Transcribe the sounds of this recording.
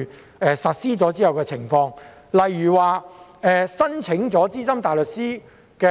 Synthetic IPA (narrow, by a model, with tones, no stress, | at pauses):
ɛː˨sɐ˨t̚siː˥t͡sɔː˨˥t͡siː˥hɐ˨˩wkɛː˧t͡sʰɪ˨˩ŋfɔː˧ŋ | lɐ˨jyː˨˩waː˨˧ | ɛː˨˩sɐ˥nt͡sʰɪ˨˥ŋt͡sɔː˨˥t͡siː˥sɐ˥mt̪aː˨jlɵ˨t̚siː˥ | kɛː˧